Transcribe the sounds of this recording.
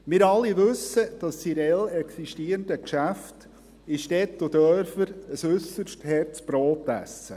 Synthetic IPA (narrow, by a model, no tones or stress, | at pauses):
mɪɾɑlːiʋʉsəd̥ɑssiɾɛlɛksiʃtiːɾəndəkʃæft | ɪʃtɛtːʊdœɾfəɾəsʉsəʃthɛrt͡sb̥ɾoːtæ̰sːə̰